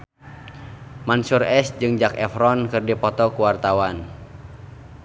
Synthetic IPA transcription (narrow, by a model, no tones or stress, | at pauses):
mansurɛsd͡ʒɨŋd͡ʒakɛfɾɔnkɨrdipɔt̪ɔkuwart̪awan